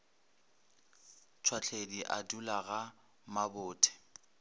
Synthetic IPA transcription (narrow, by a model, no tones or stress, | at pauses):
t͡sʰwat͡ɬʰediʔadulaɣa | mabʊːtʰɛ̥